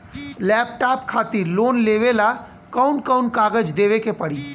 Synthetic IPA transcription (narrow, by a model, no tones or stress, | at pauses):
lɛːpʈaːpkʰaːt̪iɾloːnleːʋela | kəʊnkəʊnkaːɡəd͡ʒd̪eːʋekepəɽiː